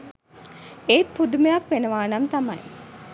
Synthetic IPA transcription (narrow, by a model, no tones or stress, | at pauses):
eːt̪pud̪umejakʋenəʋaːnamt̪ama̰j